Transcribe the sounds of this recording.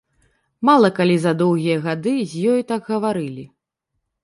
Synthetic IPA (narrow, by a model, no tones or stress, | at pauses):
malˠɐkalʲizɐd̪ɔwɣʲijɐɣad̪ɨzʲjɔjit̪aɡɣɐvaɾɨlʲi